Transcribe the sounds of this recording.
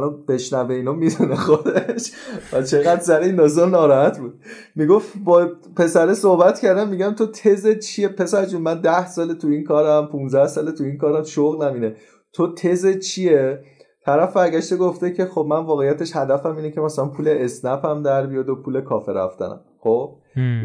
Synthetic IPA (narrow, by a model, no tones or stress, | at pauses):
lɒb̥e̞ʃnæve̞iːnɒmid̪uneχod̪eʃvæt͡ʃʰe̞ɣæd̪sæɾeinlɒːzemnɒːɾɒːhæt̪buːd̪̥ | miɡo̞fbɒː | pe̞sæɾesohbæt̪cʰʲæɾd̪æmːiɟæmt̪ʰot̪ʰe̞zet͡ʃʰijepʰe̞sæɾd͡ʒunmænd̪æhsɒːlet̪ʰuinkʰɒːɾæmpʰunzæhsɒːlet̪ʰuinkʰɒːɾæmʃoɣlæmiːne̞ | t̪ʰot̪ʰe̞zet͡ʃʰijet̪ʰæɾæfbæɾɟæʃt̪eɡoft̪ecʰe̞xob̚mænvɒːɣejːæt̪ʰe̞ʃhæd̪æfæmiːnecʰe̞mæsælænpʰuːleːsnæpʰæmd̪æɾbijɒd̪opʰuːlekʰɒːfeɾæ̰ft̪æ̰næ̰mχob̚